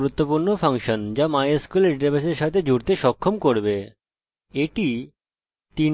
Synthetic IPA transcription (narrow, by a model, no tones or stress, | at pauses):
ɾut̪ːopuɾnopʰaŋʃɔnd͡ʑamajeskuleɾʈebeʃeɾʃat̪ʰed͡ʑuɽt̪eʃɔkʰːomkoɾbe | eʈi | t̪i